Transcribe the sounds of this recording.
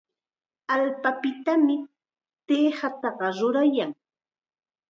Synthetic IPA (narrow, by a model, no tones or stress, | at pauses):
alpapɪt̪amɪ | t̪eːhat̪ɑɢɑɾʊɾajaŋ